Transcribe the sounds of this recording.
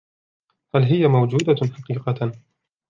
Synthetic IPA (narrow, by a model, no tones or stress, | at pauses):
halɦɪjamawd͡ʒuːd̪aħɑqiːqɑ